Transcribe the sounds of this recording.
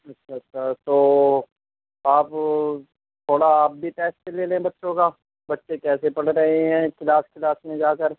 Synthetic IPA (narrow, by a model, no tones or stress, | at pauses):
ɐtːʃʰaɐtːʃʰat̪oː | aːp | t̪ʰoːɽaːp̚bʱipɛːselelẽbɐtːʃõkaː | bɐtːʃekɛːsepɐɽɾɐɦeɦɛ̃ːkɪlaːskɪlaːsmẽd͡ʒaːkəɾ